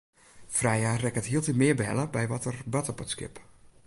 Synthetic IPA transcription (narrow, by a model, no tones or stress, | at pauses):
frɛjaːrɛkətɦiəlˠtimɪəbəɦɛ̰ləbɛjʋɔtərbatəɔpətskɪ̰p